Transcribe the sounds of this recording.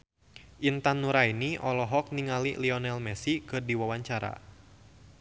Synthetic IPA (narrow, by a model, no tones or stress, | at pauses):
ʔint̪anːuɾainiʔɔlɔɦɔk̚niŋalḭliɔnɛlmɛsikɨrdiwawaɲt͡ʃaɾa̰